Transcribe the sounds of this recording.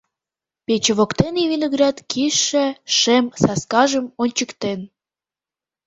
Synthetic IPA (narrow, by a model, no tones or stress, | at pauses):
pet͡ɕəβokt̪enivinoɣrɑt̪kʰiʃːĕʃemsɑskɑʒəmonʲt͡ɕəkt̪en